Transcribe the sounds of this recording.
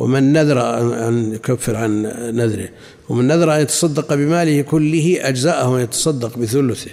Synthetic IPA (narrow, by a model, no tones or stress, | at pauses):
wɪ̰mɪnːaðɑɾˤɑaʔanjʊkafːɪɾʕanːaðɾɪ̰h | wɪmɪnːaðɑɾˤɑʔanjat̪ɑ̥sˤɑd̪ːɑqɑbɪmaːlɪhkʊlːɪhiʔad͡ʒzaːʔahwanjat̪ɑ̥sˤɑd̪ːɑqbɪθʊlʊθɪh